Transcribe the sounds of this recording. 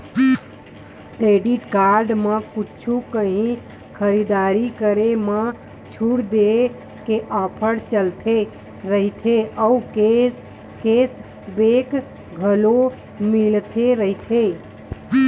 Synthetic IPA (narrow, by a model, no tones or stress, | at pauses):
kɾeɖiʈkaɾɖmekut͡ʃʰukəɦĩ | kʰəɾid̪aɾikəɾemə | t͡ʃʰuɽd̪e | keʔapʰəɽt͡ʃəlt̪ʰe | ɾəɦit̪ʰeəukes | kes | bek | ɡʱəlo | milt̪ʰeɾəɦit̪ʰe